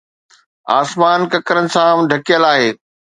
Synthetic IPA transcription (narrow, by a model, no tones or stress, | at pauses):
aːsmaːnkɐkəɾənɪ̆sãɖʱɐkijəlaːɦeː